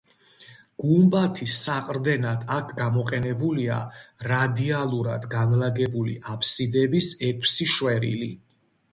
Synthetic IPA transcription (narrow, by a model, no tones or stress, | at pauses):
ɡ̥umbat̪ʰisaqʼɾd̪ɛnad̪̥akʰɡamɔqʼɛnɛbulia̰ɾad̪ialˠuɾad̪ɡanlaɡɛbulḭʔapʰsid̪ɛbisɛkʰsiʃwɛɾḭli